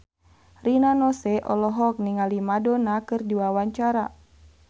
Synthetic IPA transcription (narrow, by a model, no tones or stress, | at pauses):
rinanɔsɛʔɔlɔɦɔk̚niŋalimadɔnakɨrdiwawaɲt͡ʃaɾa